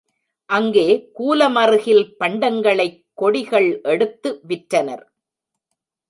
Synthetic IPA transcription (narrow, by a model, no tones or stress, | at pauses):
ʔɐŋɡeːkuːlɐmɐrɯɣɪlpɐɳɖɐŋɡɐɭɐɪkːɔɽɪɣɐɭʔɛɽɯt̪ːɯʋɪʈɾɐnɐ̰ɾ